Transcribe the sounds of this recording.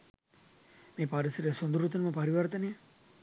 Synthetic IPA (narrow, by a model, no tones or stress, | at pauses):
meːpaɾisiɾesond̪uɾut̪unəməpaɾiʋɐrt̪ɐne